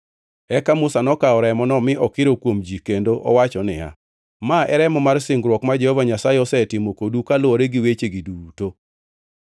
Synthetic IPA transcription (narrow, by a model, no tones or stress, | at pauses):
ɛkamʊsanɔkaɔɾɛmɔnɔmɪʔɔkɪɾokwomd͡ʒikendoʔɔ̰wat͡ʃɔnɪ̰a̰ | maɛɾɛmɔmarsɪŋɡɾwɔkmad͡ʒehɔvaɲasajeɔsɛtɪmokodukalɔɾeɡiwet͡ʃeɡiduto